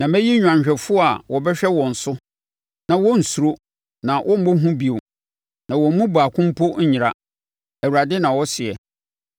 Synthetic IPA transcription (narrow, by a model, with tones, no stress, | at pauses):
nã˨mæ̃˦ji˦ɲᶣ˨ã˨ɲ˨ɕᶣɛ˨fʊ˦ɔ˦a˨wɔ˨bɛ˦ɕᶣɛ˦wɔ̃˨n̩˨sʊ˦ | nã˨wɔ˦n̩˨su˨ɾo˦ | nã˨wʔɔ˦m̩˦bo˦ɦũ˦bi˨o˨ | nã˨wɔ˨m̩˦mũ˦ba˨kʰʊ̃˦m̩˦pʰo˦ɲ̩˦ɲɪ˨ɾa̰˦ | æ˨wu˨ɾa˨dɪ˦nã˨wɔ˦sɪ˨ɛ˨